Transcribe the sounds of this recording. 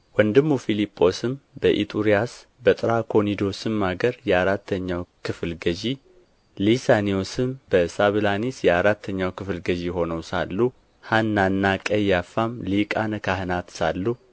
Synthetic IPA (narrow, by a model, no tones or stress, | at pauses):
wənd̪ɨmːufilipʼːo̞sɨmbəʔḭt̪ʼuɾijas | bət̪ʼɨɾakʰo̞nid̪o̞sɨmːaɡəɾjɛaɾat̪ʰːəɲːawkʰɨflɡəd͡ʒi | lisaniosɨmbəsaβlanisjɛaɾat̪ʰːəɲːawkʰɨflɡəd͡ʒiho̞nəwsa̰lːu | hanːanːakʼəjafːamlikʼankʰahɨnat̪salːu